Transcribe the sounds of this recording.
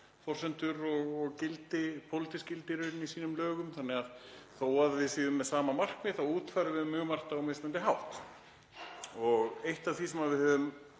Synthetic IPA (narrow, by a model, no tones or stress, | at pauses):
fɔr̥sɛnt̪ʏɾɔɣɔɣcɪlt̪ɪpʰowlɪt̪iscɪlt̪ɪɾʏnisiːnʏmlœːɣʏmθanːɛɣaðθowaðvɪðsiːðʏmːɛðsaːmamar̥kmɪθawuːt̪faɾʏvɪðmʏːɣmar̥t̪awmejst̪lant̪ɪɦawht̪ | ɔɣejht̪avθisɛmaðvɪðhœvʏm